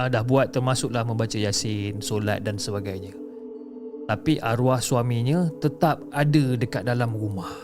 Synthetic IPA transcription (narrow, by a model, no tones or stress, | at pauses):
ədahbuat̪ːərmasʊklahmə̃mbat͡ʃajasɪnsola̰t̪̚dansəbaɡajɲã | t̪apiʔaɾuahsuamiɲə̃t̪ət̪ap̚adədəkat̪̚dalamrumah